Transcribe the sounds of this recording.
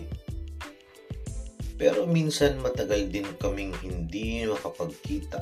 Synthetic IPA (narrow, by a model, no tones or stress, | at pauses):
pɛːɾo̞minsɐnmɐt̪ɐɡald̪ɪnkɐmɪŋhɪnd̪imɐkɐpɐɡ̚kiːt̪ɐ